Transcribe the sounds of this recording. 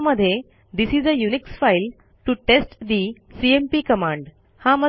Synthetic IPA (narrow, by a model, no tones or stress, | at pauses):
məd̪ʱːje | d̪isizəjuniksfajl | ʈuʈesʈd̪isiempiːkəmãɳɖ | hamə